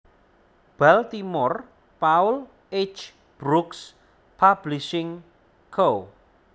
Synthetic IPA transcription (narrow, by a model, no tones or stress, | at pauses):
b̥alt̪imɔr | paʊl | et͡ʃ | b̥ɾuks | pʰab̥liʃɪŋ | kʰo